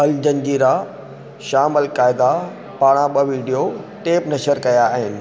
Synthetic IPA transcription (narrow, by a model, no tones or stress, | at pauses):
ɐld͡ʑɐ̃nd͡ʑiːɾa | ʃaːməlkaːɪd̪a | paːɽ̃ãɓɐʋiːɖijoʈeːpnɐʃəɾkɐjaːɦɪnɪ̆